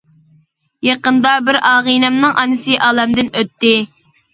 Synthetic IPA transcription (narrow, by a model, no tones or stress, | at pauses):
jeqənd̪ɑbɪɾɑːʁinɛmnɨŋʔɑnɨsɨʔɑːlˠɛmd̪ɪnøt̪ːɪ